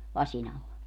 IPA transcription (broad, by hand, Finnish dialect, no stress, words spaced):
lɑsʲin ɑlːɑ